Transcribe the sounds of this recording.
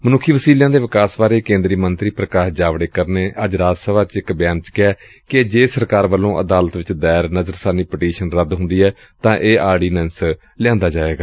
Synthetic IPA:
mənʊkʰːiːʋəsiːljãːd̪eːʋɪkaːsbaːɾeːkẽːnd̪ɾiːmənt̪ɾiːpɾəkaːsd͡ʒaːʋɽeːkəɾneːʔəd͡ʒɾaːd͡ʒsəbaːt͡ʃɪkbɪjãːnt͡ʃkɪɛː | ked͡ʒeːsəɾkaːɾʋəlːõːʔə̰d̪aːlət̪ʋɪt͡ʃd̪ɛːɾnəzəɾsaːniːpəʈiːʃənɾəd̪ɦʊ̃nd̪iːɛː | t̪ãːʔeːaːɾɖiːnɛns | lɪãːnd̪aːd͡ʒaːʋeːɡaː

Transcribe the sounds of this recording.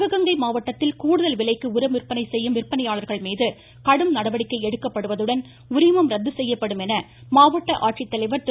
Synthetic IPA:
ɣɐɣɐŋɡɐɪmaːʋɐʈːɐt̪ːɪlkuːɽɯðɐlʋɪlɐɪkːɯʊɾɐmɪrpɐnɐɪsɛjːɯmʋɪrpɐnɐjaːɭɐɾɣɐɭmiːðɯ | kɐɽɯmnɐɽɐʋɐɽɪkːɐɪɛɽɯkːɐpːɐɽɯʋɐðɯɽɐn | ʊɾɪmɐmɾɐd̪ːɯsɛjːɐpːɐɽɯmɛnɐ | maːʋɐʈːɐʔaːʈ̚t͡ʃɪt̪ːɐlɐɪʋɐɾt̪ɪ

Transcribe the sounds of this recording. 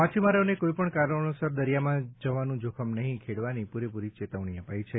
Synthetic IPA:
mat͡ʃʰimaɾonekoipəɳkaɾəɭ̃osəɾd̪əɾijamãd͡ʒəʋanũd͡ʒokʰəmnəɦĩkʰeɽʋanipuɾepuɾit͡ʃet̪əʋɳ̃iəpait͡ʃʰe

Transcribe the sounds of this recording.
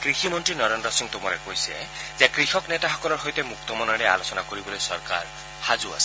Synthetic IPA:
kɾiximɔnʈɾinɔɾendɾɔsiŋt̪omɔɾekoɦisḛzekɾixɔknet̪aɦɔkɔlɔɾɦojt̪emukt̪ɔmɔnɔɾea̰losɔnakoɾibɔlojsɔɾka̰ɾ | had͡ʒua̰s

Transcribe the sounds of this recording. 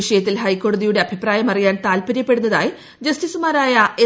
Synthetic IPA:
iʂɐjɐt̪ːilɦɐjkːo̞ːɽɐðijuɽe̞ɐbʱipraːjɐmɐrijaːnt̪aːlpɐɾjɐpːe̞ɽunːɐða̰ːj | d͡ʑɐstisumaːɾaːjɐʔe

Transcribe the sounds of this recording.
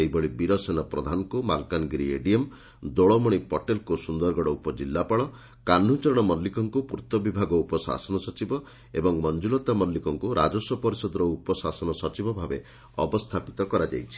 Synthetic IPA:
ejbɔɭibiɾɔsenɔpɾɔd̪ʱanɔŋkumalkanɡɾiḛɖiem | d̪oɭɔmɔɽ̃ipɔʈelkusund̪ɔɾɡɔɽɔupɔd͡ʒilːapaɭɔ | kan̤ːut͡ʃɔɾɔɽ̃ɔmɔlːikɔŋkupuɾt̪ɔbibʱaɡɔupɔsa̰sɔnɔsɔt͡ʃibɔ | ebɔŋmɔnd͡ʒulɔt̪amɔlːikɔŋkuɾa̰d͡ʒɔsɔpɔɾisɔd̪ɔɾɔupɔsasɔnɔsɔt͡ʃibɔbʱabe | ɔ̰bɔst̪ʰapit̪ɔkɔɾad͡ʒa̰jt͡ʃʰi̥

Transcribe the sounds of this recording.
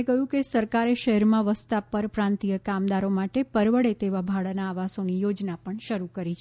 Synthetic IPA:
kəjũkesəɾkaɾeʃəɦɛɾmãʋəst̪apəɾpɾãnt̪ijəkamd̪aɾomaʈepəɾʋəɽet̪eʋabʱaɭanaːʋasonijod͡ʒnapəɳʃəɾukəɾit͡ʃʰ

